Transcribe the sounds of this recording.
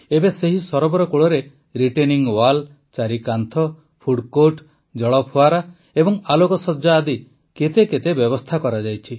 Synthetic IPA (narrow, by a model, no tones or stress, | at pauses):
ebeseɦisɔɾɔbɔɾɔkuɭɔɾe | ɾiʈeniŋwal | t͡ʃaɾikant̪ʰɔ | pʰuɽkoʈ | d͡ʒɔɭɔpʰuaɾa | ebɔŋalokɔsɔd͡ʒaːd̪i | ket̪eket̪ebjɔbɔst̪ʰakɔɾad͡ʒajt͡ʃʰi